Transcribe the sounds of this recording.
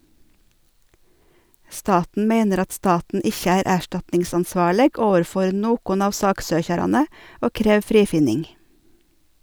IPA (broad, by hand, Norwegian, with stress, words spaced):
ˈstɑːtn̩ ˈmeɪnəɾ ˈɑt ˈstɑːtn̩ ˈɪçə ˈæːɾ ˈæːʃʈɑtnɪŋsɑnˌsʋɑːɭəɡ ˈoːʋəɾˌfɔɾ ˈnoːkʊn ˈɑːʋ ˈsɑːkˌsøːçɑɾɑnə ˈoː ˈkɾeːʋ ˈfɾiːfɪnɪŋ